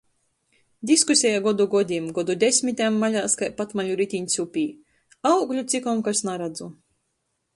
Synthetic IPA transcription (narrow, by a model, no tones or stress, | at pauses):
d̪ʲiskusʲɛjaɡɔd̪uɡɔd̪ʲimɡɔd̪ud̪ʲesʲmʲit̪ʲamːalʲaːskajpat̪maʎuɾit̪ʲiɲʲsʲupʲiː | awɡlʲut̪sʲikɔmkasnaɾad̪zu